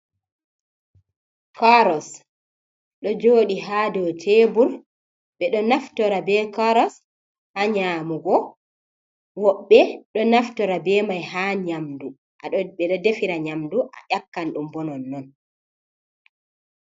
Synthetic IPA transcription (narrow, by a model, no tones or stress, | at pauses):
kaɾɔs | ɗɔd͡ʒoːɗiɦaːdɔtʰeːbuɾ | ɓɛɗɔnaftɔɾabɛkaɾɔs | haɲaːmuɡɔ | wɔɓːɛɗɔnaftɔɾabɛːmajɦaɲamdu | ʔa̰ɔɓɛɗɔdefiɾaɲamduʔa̰ʔakːanɗumbɔnɔnːɔn